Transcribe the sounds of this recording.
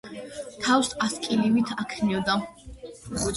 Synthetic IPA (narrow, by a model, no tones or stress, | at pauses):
t̪ʰawsaskʼiliwit̪ʰakʰnid̪a